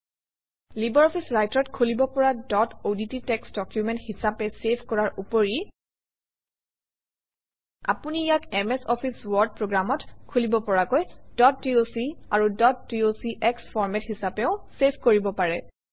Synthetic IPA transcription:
libɔɹɔpʰisɹajtɔtkʰulibɔpɔɹadɔtodititɛksdɔkjumɛnthisapɛsepʰkɔɹaɹupɔɹi | a̰punijakɛmɛsɔpʰiswɔɹd̚pɹoɡɹamɔtkʰulibɔpɔɹakojdɔt̚ːiosiaɹudɔt̚diosiʔɛksfʰɔɹmɛthisapɛʊ̃sepʰkoɹibɔpaɹɛ

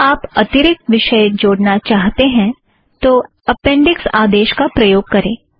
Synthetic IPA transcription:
aːpɐt̪ɪɾɪk̚t̪ʋɪʃəjd͡ʒoːɽnat͡ʃaːɦt̪eɦɛ̃ | t̪o | ɐpɛ̃ːɳɖɪksaːd̪eːʃkapɾɐjoːɡ̚kɐɾẽː

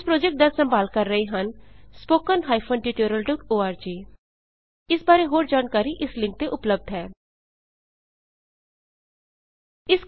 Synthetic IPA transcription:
spɾoːd͡ʒɛk̚ʈ̚d̪ɐsə̃mbaːlkɐɾːəiɦɐnspoːkənɦaːɪpʰənʈiʈoːɾəlɖɔkoːaːɾd͡ʒiː | ɪsbaːɾeɦoːɾd͡ʒaːnkaːɾiʔɪslɪ̃ŋk̚t̪eʔʊpləb̚d̪ʱɦɛː | ɪs

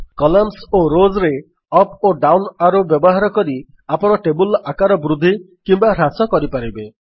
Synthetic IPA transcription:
kɔlɔmsoɾozɾe | ɔpoɖawnaɾubjɔbɔɦaɾɔkɔɾi | apɔɽ̃ɔʈebulakaɾɔbɾud̪ʱːi | kimbaɾasɔkɔɾipaɾibe

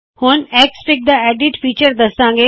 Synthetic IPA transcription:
hʊnɛkspɪk̚d̪aeːɖɪʈfiːt͡ʃəɾd̪ɐsãːŋɡeː

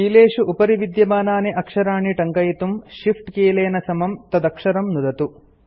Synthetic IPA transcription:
iːleːʂuʔupɐɾiʋid̪jɐbaːnaːneʔɐkʂɐɾaːɳiʈɐŋkɐjt̪umʃifʰʈkeːleːnɐsɐmɐmt̪ɐd̪ɐkʂɐɾɐmnud̪ɐt̪u

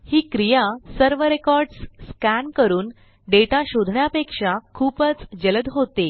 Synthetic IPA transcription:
hiːkɾijasəɾʋəɾekɔɾɖsːkænkəɾuːn | ɖeʈaɕod̪ʱɳjapekʂakʰuːpət͡sd͡ʑələd̪ɦot̪e

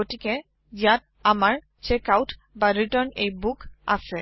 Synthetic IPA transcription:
oʈikɛ | jat̚ | amaɹ | t͡ʃekawʈ | baɾiʈənejbuka̰sɛ

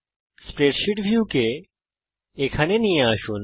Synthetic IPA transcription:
spɾeːʈʃiʈbʱjuːke | kʰɐneniaːʃun

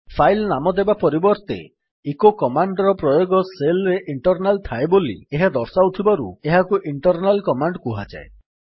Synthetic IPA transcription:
pʰajlnamɔd̪ebapɔɾibɔɾt̪ḛ | ekokɔmaɳɖɾɔpɾɔjoɡɔselɾeʔiɳʈɔɾnalt̪ʰaebolḭeɦad̪ɔɾsawt̪ʰibaɾṵeɦakuʔiɳʈɔɾnalkɔmaɳɖkuɦad͡ʒa̰e

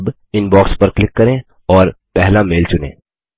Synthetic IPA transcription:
b | ɪnbɔːkspɐɾklɪkːɐɾẽ | ɔːɾpɛɦlameːlt͡ʃʊnḛ̃ː

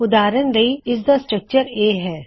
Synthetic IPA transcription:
ʊd̪aːɾənɾɐɦiɪs̬d̪asʈɾək̚t͡ʃəɾeːɦɛː

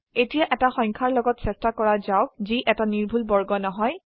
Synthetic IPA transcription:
etijaʔɛtaxɔŋkʰaɹlɔɡɔtsɛstakɔɹazawziʔɛtaniɹbʱulbɔɹɡɔnɔɦɔj

